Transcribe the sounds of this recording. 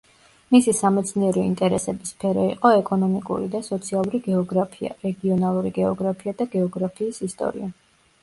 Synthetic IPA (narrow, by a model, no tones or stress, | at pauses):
misisamɛt̪sʰniɛɾɔint̪ʼɛɾɛsɛbispʰɛɾɔḭqʼɔɛkʼɔnɔmikʼṵɾid̪asɔt̪sʰialˠuɾiɡɛɔɡɾapʰia̰ɾɛɡiɔnalˠuɾiɡɛɔɡɾapʰiad̪aɡɛɔɡɾapʰiːsist̪ʼɔ̰ɾḭa